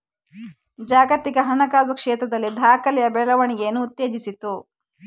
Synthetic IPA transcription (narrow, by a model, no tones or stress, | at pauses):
d͡ʒaːɡɐt̪ikɐɦɐnɐkaːzɐkʂɛːt̪ɾɐd̪ɐlːid̪ʱaːkɐlɛjɐbɛɭɐʋɐɳiɡeːnuːt̪ːeːd͡ʒisit̪u